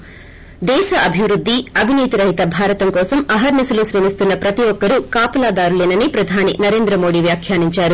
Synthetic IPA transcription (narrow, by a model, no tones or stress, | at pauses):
d̪ɛːʃɐʔɐbʱiʋɾud̪ʱːiɐbʱiniːt̪iɾɐɦit̪ɐbʱaːɾɐt̪ɐmkɔːsɐmɐɦɐɾnisɐlusɾeːmist̪unːɐpɾɐt̪iʋɔkːɐɾukaːpɐlaːd̪aːɾuleːnɐnipɾɐd̪ʱaːninɐɾe̞ːnd̪ɾɐmo̞ːɽiʋjaːkʰjaːniɲt͡ʃaːɾu